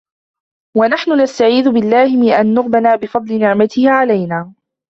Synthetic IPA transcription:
wanaħnʊnast̪aʕiːðʊbɪlːaːhɪmɪʔanːʊɣbalaːbɪfɑd̪ˤlɪnɪʕmat̪ʰɪhʕalajnaː

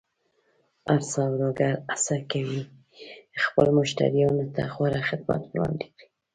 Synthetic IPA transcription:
aɾsɑwɾoɡaɾasakawi | xpəlmʊʃt̪a̰ɾionʊt̪a̰xwaɾaxɪd̪ma̰t̪wlɑ̰nd̪ekɽi̥

